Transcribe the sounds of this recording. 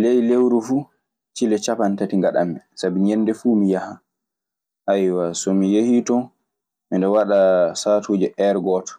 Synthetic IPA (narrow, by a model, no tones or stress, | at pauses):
lɛjlewɾufuː | t͡ʃilɛt͡ʃapantatiŋɡaɗa̰mːɛsabiɲɛnːdɛfuːmijaha | ʔajwasɔmijehitɔ | mindɛwaɗasaːtʰuːd͡ʒɛʔɛɾɡɔːtɔ̥